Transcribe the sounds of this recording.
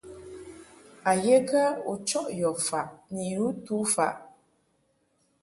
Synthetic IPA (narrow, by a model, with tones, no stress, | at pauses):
a˨je˦ka˦u˨t͡ʃɔ˦ʔjɔ˨fa˨ʔni˨ju˦tu˦fa̰˨ʔ